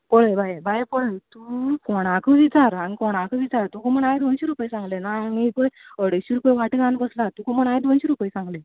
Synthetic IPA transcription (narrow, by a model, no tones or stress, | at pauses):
poɭəbʱajebʱajepɔɭət̪ukɔɽ̃akəʋit͡saɾanikɔɽ̃ãkəʋit͡saɾt̪ukoməɳajd̪onɕiɾupəjsãŋɡlenaanekəjəɽeɕiɾupəjʋaʈəɡãnbəslat̪ukoməɳajd̪onɕiɾupəjsãŋɡle